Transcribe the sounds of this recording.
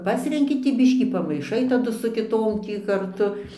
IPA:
ˈpɑːsʲrʲɛŋʲkʲɪ tʲiː ˈbʲɪʃʲkʲiː pɐmɐɪˈʃɐɪ tɐˈdʊ sʊ kʲɪˈtoːm ˈtʲiː kɐrˈtʊ

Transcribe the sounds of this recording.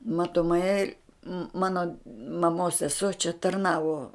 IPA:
mɐtoːˈmɐɪ ˈmɑːnoː mɐˈmoːs sʲɛˈsuɔ t͡ʃʲɛ tɐrˈnɑːʋoː

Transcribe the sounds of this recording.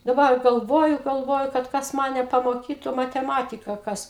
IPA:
dɐˈbɐ ˈɐ ɡɐlˠˈʋoːjʊ ɡɐlˠˈʋoːjʊ kɐt ˈkɐs ˈmɑːnʲɛ pɐmoːˈkʲiːtʊ mɐtʲɛˈmɑːtʲɪkɐ ˈkɐs

